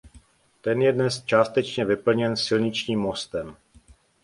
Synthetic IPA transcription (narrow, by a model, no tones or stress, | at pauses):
t̪ɛnjɛdnɛst͡ʃaːst̪ɛt͡ʃɲɛvɪpl̩ɲɛnsɪlɲɪt͡ʃɲiːmːost̪ɛm